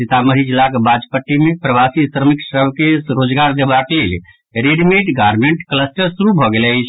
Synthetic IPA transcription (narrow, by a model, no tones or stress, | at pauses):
sit̪aməɾid͡ʒilakebad͡ʒpəʈːimepɾəʋasisɾəmiksəbkeɾod͡ʒɡaɾd̪ebaklel | ɾeɖimeʈɡaɾmeɳʈkləsʈəɾsuɾubʱɔɡelɛt͡ʃʰ